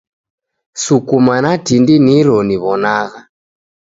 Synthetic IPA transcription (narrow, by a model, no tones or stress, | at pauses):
sukumanatindiniɾɔniβɔnaɣa